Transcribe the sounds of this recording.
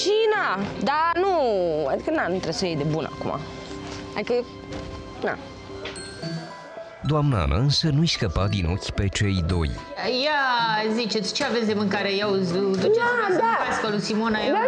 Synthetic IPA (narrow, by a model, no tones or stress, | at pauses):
ʃinad̪anua̰d̪ikənanut̪ɾe̞bsəjejd̪e̞bunʔa̰kṵmʔa̰ | ad̪ikə | na̰ | d̪oamnəa̰nʔa̰ɨnsənuiskəpad̪ino̞kʲpe̞t͡ʃe̞jd̪o̞̰jjazit͡ʃe̞t̪sʲt͡ʃeavetsʲd̪emɨŋkaɾejawd̪ut͡ʃead̪apaskalusimonaje